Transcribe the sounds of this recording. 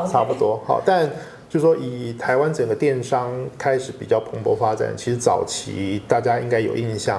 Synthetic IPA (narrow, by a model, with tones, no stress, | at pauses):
ʈ͡ʂʰa˥pu˧˥t̪wɔ˥xɑ̰˨˩ʊt̪a˥˧nt͡ɕjo˥˧ʊʂ̩˩ʂwɔ˥ʔi˨˩t̪ʰa˧˥ɪwa˥nʈ͡ʂɤ˨˩ŋɡə˦t̪jɛ˥˩nʂɑ˥ŋkʰa˥ɪʂɻ̩˨˧˥pḭ˨˩t͡ɕjɑ˥˩ʊpʰɤ˧˥ŋpwɔ˧˥fa˥ʈ͡ʂa̰˨˩nt͡ɕʰi˧˥ʂɻ̩˧˥t͡sɑ˨˩ʊt͡ɕʰḭ˧˥t̪a˥˩t͡ɕja˥i˥ŋka˥ɪjo˨˩ʊi˥˧nɕjɑ˥˩ŋ